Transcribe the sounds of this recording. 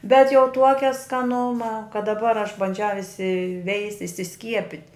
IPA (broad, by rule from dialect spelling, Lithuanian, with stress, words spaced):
bʲɛt jɛʊ ˈtuɔkʲɛ skɐˈnʊmɐ kɐt dɐˈbɐr ɐʃ bɐnʲˈd͡ʒʲɛʊ ɪsʲɪˈʋʲɛɪsʲtʲ ɪsʲɪˈsʲkʲiɛpʲɪtʲ